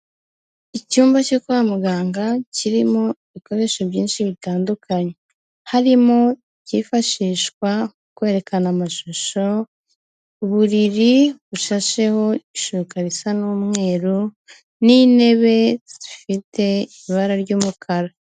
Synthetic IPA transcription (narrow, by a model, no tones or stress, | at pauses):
icuːmbacokuβamuɡaːŋɡaciɾimo̞iiko̞ɾe̞ʃobɟiːnʃiβitaːndukʰaɲe | haɾimo̞icifaʃiːʃkwa | kwe̞ːɾe̞kanamaʃoʃo̞ | uβuɾiɾiβuʃaʃe̞ho̞iʃukaɾisanuːmŋe̞ːɾo | nine̞βe̞z̥ifite̞iβaɾaɾɟuːmukʰaɾa